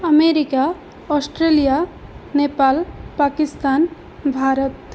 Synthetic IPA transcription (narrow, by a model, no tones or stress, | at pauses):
əmeɾika | ɔsʈɾelijanepalpakist̪an | bʱaɾət̪